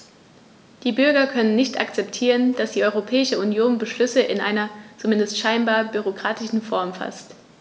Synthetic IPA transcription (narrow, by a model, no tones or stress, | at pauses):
d̥iːbʏɐɡɐkʰœnənːɪçtʰa̰kt͡sɛptʰiːʁ̞ənd̥asd̥iːʔɔʏʁopʰɛːɪʃəunjoːnbəʃlʏsəʔɪnʔa̰ɪnɐt͡sumɪndəstʃaɪnbaːɐbyʁ̞okʁ̥aːtɪʃn̩fɔɐmfa̰st